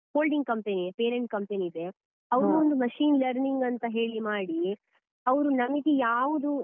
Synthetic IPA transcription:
hoːlɖiŋɡ̚kɐmpenipeːɾeɳʈ̚kɐmpeniːd̪e̞ | ɐʋɾuond̪umɐʃiːnlɐɾniŋɡɐnt̪ɐɦe̞ːɭimaːɽi | ɐʋɾunɐmiɡejaːʋud̪u

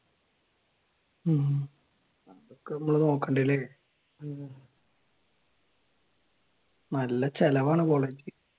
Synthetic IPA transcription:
ɐmokːenɐmːuɭɐnoːkːɐɳɖɐle | nɐlːɐt͡ɕelɐʋaːɳɨkoːɭeːd͡ʑi

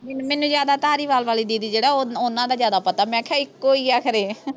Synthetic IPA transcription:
mɛnmɛːnũːzjaːd̪aːt̪aːɾiːʋaːlʋaːliːd̪iːd̪iːd͡ʒeːɽaːoonãːd̪aːzjaːd̪aːpət̪aːmɛ̃ːkʰɛːɪkkːoːiːaːkʰəɾeː

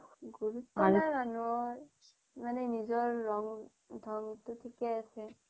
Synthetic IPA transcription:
ɡuɹut̪ɔamanuɔɹ | manɛnizɔɹːɔŋ | dʱɔŋtʊtʰikɛasɛ

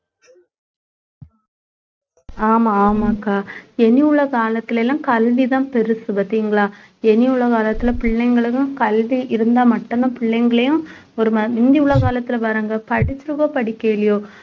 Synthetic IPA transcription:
aːmãːmakːaːɛniɯɭːɐkaːlɐt̪ːɪlɐɛlãːkɐlʋit̪ãːpɛɾɯsɯbɐt̪ːiːŋɡɐɭaː | ɛnɪɯɭːɐkaːlɐt̪ːɪlɐpɪɭːɐŋɡɐɭɯjʊ̃kɐlʋiʔɪɾɯnd̪aːmɐʈːɐnd̪apɪɭːɐŋɡɐɭɐjʊ̃ | ɔɾɯmɐʋɪnd̪iʊɭːɐkaːlɐt̪ːɪlɐʋɐɾaːŋɡɐpɐɽɪt͡ʃːɯɾɯkoːpɐɽɪkːeːlɪjoː

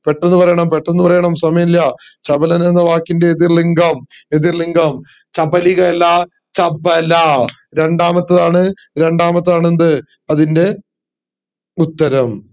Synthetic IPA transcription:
pe̞ʈːenːɨpɐrɐjɐɳɐmpeʈːenːɨpɐrɐjɐɳɐmsɐmɐjɐiljɐ | t͡ɕɐbɐlɐnenːɐʋaːkːinde̞ːðirliŋɡɐmeðirliŋɡɐm | t͡ɕɐbɐliɣɐlːɐ | t͡ɕɐbɐlɐ | ɾe̞ɳɖaːmɐt̪ːɐðaːɳɨ | ɾe̞ɳɖaːmɐt̪ːɐðaːɳend̪ɨ | ɐðinde̞ | ut̪ːɐɾɐm

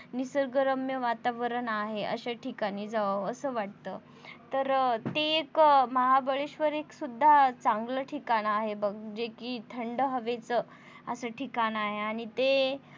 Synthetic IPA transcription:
nisəɾɡəɾəmjəʋat̪aʋəɾəɳaɦeʔə̰ɕeʈʰikañid͡zaʋəəsəːʋaʈ̚t̪əː | t̪əɾt̪eːkməɦabəɭeɕʋəɾeksud̪ʱːat͡sãŋɡləʈʰikaɽ̃aɦebəɡd͡ʑekiːt̪ʰəɳɖəɦəʋet͡sə | əsəʈʰikaɽ̃aɦeaɽ̃it̪e

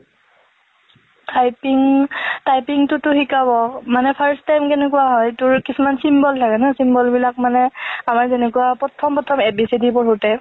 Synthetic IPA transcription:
tʰajpiŋtajpiŋtʊtʊxikaβɔmanɛpʰaɹstajmkɛnɛkuwaɦɔjtʊɹkisumansimbɔltʰakɛnɛsimbɔlbilak̚manɛamaɹzɛnɛkuwapɹɔtʰɔmpɹɔtʰɔmɛbisidipɔɹutɛ

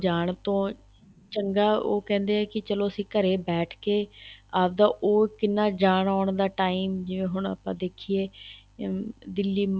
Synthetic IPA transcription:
d͡ʒaːɳt̪õː | t͡ʃəŋɡaːoːkɛ̃ːnd̪eːɛːkɪt͡ʃəloːəsĩːkəɾeːbɛːʈʰkeːaːp̚d̪ãːʔoːkɪnːaːd͡ʒaːɳaːɳd̪aːʈaːiːmd͡ʒɪʋẽːɦʊɳə̰pã̰ːd̪eːkʰieː | d̪ɪlːiː

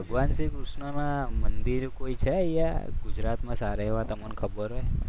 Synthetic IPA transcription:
bʱəɡʋansikɾuʃɳonãmənd̪iɾkoit͡ʃʰɛija̰ɡud͡ʒɾat̪mãsaɾeʋat̪əmənkʰəbəɾoe

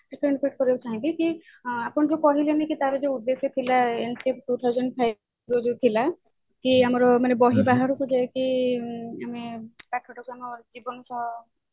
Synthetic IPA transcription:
iʈɾiɳpeʈ̚kɔɾebut͡ʃʰaɦĩliki | apɔɳɾukɔɦilenakit̪aɾed͡ʒeud̪ːeset̪ʰilaensipʈut̪ʰaɦwd͡ʒɔɳɖpʰaj | ɾod͡ʒut̪ʰila | kiamɔɾɔmanebɔɦibaɦaɾukud͡ʒaeki | amekaʈʰɔʈɔkanɔd͡ʒibɔnɔsɔ

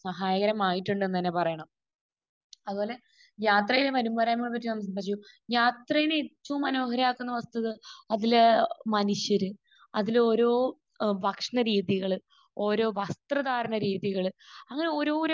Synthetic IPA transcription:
sɐɦaːjɐɣɐɾɐmaːjiʈːuɳɖenːt̪ɐnːe̞pɐrɐjɐɳɐm | ɐðubo̞ːle̞ | ɲaːt̪rɐjileʋɐɾumbɐɾaːjmːɐɭp̬ɐtːinɐms̬ɐmpɐʂju | jaːt̪rɐjinet͡ɕːumɐno̞ːɦɐɾɐjaːkːunːɐʋɐst̪ɨðɨɐðilmɐnuʂjɐɾɨ | ɐðilo̞ːɾo̞ː | ʋɐkʂɐɳɐɾiːðiɣɐɭɨ | o̞ːɾo̞ːʋɐst̪rɐðaːɾɐɳɐɾiːðiɣɐɭɨɐŋːɐne̞o̞ːɾo̞ːɾ

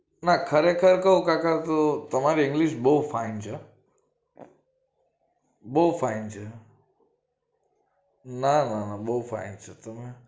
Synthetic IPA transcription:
nakʰəɾekʰəɾkəɦukakat̪ot̪əmaɾiɪ̃ŋɡlɪʃboufʰaɪnt͡ʃʰa | boupʰaint͡ʃʰe | nananaboɦupʰa̰ɪnt͡ʃʰət̪əmẽ

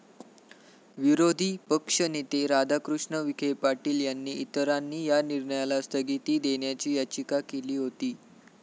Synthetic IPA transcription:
ʋiɾod̪ʱiːpəkʂənit̪eɾad̪ʱakɾuʂɳəʋikʰepaʈiːljanːiːit̪əɾanːiːjaniɾɳəjalast̪ʰəɡit̪iːd̪eɳjat͡ɕiːjat͡ɕikakeliːɦot̪iː

